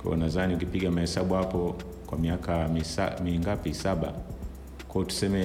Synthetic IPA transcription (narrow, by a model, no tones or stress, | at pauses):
kɔ̰ṵnaðaniukipiɠamahɛsaɓuhapɔ | kwamiakaisa̰miŋɡapisaɓa | kwɔɔtu̥sɛmɛ